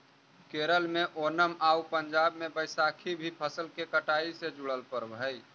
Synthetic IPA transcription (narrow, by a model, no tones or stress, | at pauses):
keɾəlmeʔonəmaupəɲd͡ʒab̚mebəjsakʰibʱipʰəsəlkekəʈaised͡ʒuɽəlpəɾbʱəj